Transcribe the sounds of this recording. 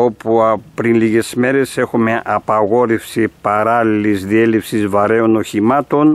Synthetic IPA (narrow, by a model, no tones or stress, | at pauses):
o̞puɐpɾinliɣe̞sme̞ɾe̞se̞xume̞ʔɐpɐɣo̞ɾefsipɐɾɐlilizðie̞lefsizvɐɾe̞o̞no̞çimɐt̪o̞n